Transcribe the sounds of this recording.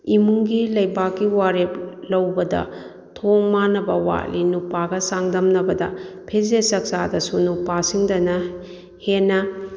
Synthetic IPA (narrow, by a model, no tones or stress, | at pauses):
imuŋɡilɐjbakːiwaɾep̚lɐwbɐdɐ̰ | tʰoŋmanɐbɐwa̰ʔlinupaɡɐsaŋdɐmnɐbɐdɐ̰pʰezesɐk̚sadɐsunupasiŋdɐnɐ | henːɐ